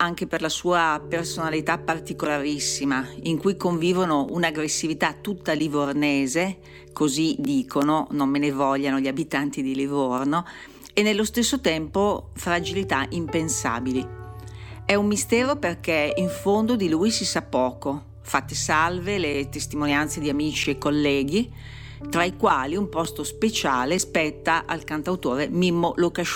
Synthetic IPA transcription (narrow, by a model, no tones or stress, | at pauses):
aŋk̟eperlasuːapersonalit̪apart̪ikolaɾisːimaiŋkujkoɱviːvonounaɡɾesːivit̪at̪ːut̪ːalivorneːze | kozid̪iːkʰononomːenevɔʎːanoʎiabit̪ant̪id̪ilivorno | enːelːost̪esːot̪ɛmpofɾad͡ʒilit̪aʔimpensa̰ːbili | ɛumːist̪ɛːɾoperkeiɱfond̪od̪ilujsisapːɔːko | fat̪ːesalvelet̪est̪imonjant̪sed̪iamiːt͡ʃiekːolːɛːɡi | t̪ɾaikwaːliumpɔst̪ospet͡ʃaːlespɛt̪ːaʔalkant̪awt̪oːɾemimːolokaʃ